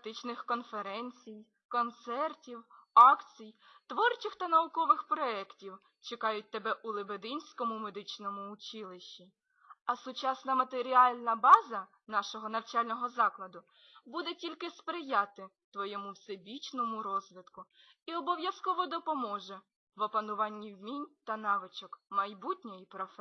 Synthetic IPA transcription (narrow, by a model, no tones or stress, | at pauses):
t̪ɪt͡ʃnɪxkɔnfeɾɛnʲt͡sʲij | kɔnt̪sɛrtʲiwɑkt͡sʲij | t̪ʋɔrt͡ʃɪxt̪ɐnɐʊkɔʋɪxpɾɔɛktʲiw | t͡ʃekɑjʊt̚ʲt̪ebɛʔʊlˠɪbed̪ɪnʲsʲkɔmʊmed̪ɪt͡ʃnɔmʊːt͡ʃɪlˠɪʃːi | ɐsʊt͡ʃɑsnɐmɐt̪eɾʲiɑlʲnɐbɑzɐ | nɑʃɔɦɔnɐwt͡ʃɑlʲnɔɦɔzɑklˠɐd̪ʊ | bud̪ɛtʲilʲkɪspɾɪjɑt̪ɪ | t̪ʋɔjɛmʊwsebʲit͡ʃnɔmʊɾɔzʋɪt̪kʊiɔbɔʋjɐskɔʋɔd̪ɔpɔmɔʒɛ | ʋɔpɐnʊʋɑnʲːiwmʲinʲt̪ɐnɑʋɪt͡ʃɔkmɐjbutʲnʲɔjipɾɔfɛ